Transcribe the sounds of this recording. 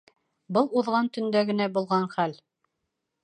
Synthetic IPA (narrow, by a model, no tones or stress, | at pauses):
bɤlˠuðʁɑnt̪ɵ̆nd̪æɡɘ̆næbulˠʁɑɴχæl